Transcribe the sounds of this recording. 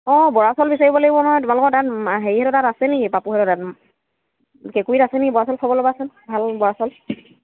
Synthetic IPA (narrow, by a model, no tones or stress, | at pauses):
ɔbɔɹasɔlbisaɹibɔleɡibɔnɔɦɔjtʊmalɔkɔdatɦeɹihɛɾɔtatasɛniipapuɦɛɾɔtat | kɛkuitasɛniibɔɹasɔlkʰɔbɔlɔbasɛbʱalbɔɹasɔl